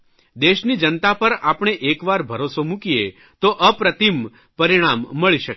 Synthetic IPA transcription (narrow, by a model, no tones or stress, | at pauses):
d̪eʃnid͡ʒənt̪apəɾapɳ̃eʔekʋaɾbʱəɾosomũkije | t̪oʔəpɾət̪im | pəɾiɽ̃amːəɭiʃək